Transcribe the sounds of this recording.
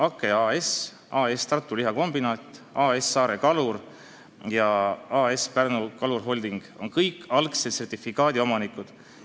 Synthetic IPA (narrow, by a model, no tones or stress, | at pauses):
ɑkːˑeɑːes | ɑːest̪ɑrt̪ːˑuliɦɑko̞mbinɑːt̪ʲːˑɑːesːɑːɾe̞kɑlur | jɑɑːespærnukɑlurɦo̞lʲd̪̥iŋɡ̥o̞̰nkɤjkːɑlkset̪se̞rt̪ʲifikɑːd̪io̞mɑnikud̪̥